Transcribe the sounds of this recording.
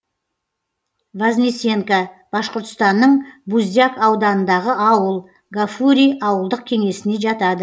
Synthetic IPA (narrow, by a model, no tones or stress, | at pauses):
vazʲnise̞ŋka | b̥ɑsqoɾt̪ə̥st̪ɑnːəɴbuzʲakɑwd̪ɑnənd̪ɑʁəɑwəlˠ | ɡafuɾʲijɑwəlˠd̪əq̚kʲʰe̞ŋe̞sɪne̞ʒɑt̪ɑd̪ə